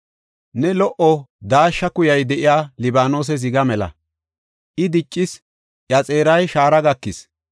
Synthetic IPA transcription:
nɛlɔʔɔd̪aːʃːɐkʊjɐjd̪ɛʔɪjaːlɪbaːno̞ːs̬ɛz̬ɪɡɐmɛlɐ̰ | ʔɪd̪ɪt͡ʃʼːɪs | ʔjɐt͡sʼe̞ːɾɐjʃaːɾɐɡɐkːɪs

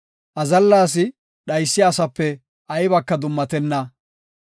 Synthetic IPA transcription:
ʔɐzɐlːaːs̬ɪ | ɗɐjsːɪɐsɐpːɛ | ʔɐjbɐkːɐd̪ʊmːɐt̪ɛnːɐ

